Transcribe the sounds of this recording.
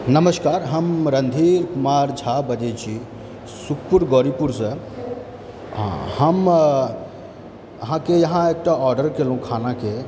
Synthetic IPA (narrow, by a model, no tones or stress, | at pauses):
nəməskaːɾɦəmɾənd̪ʱiɾkumaɾd͡ʒʱabəd͡ʒet͡ʃʰi | sukʰpuɾɡɔːɾipuɾsə | ɦã̰həm | əɦãkejɐɦãeːk̚ʈaɔɾɖəɾkelũkʰanake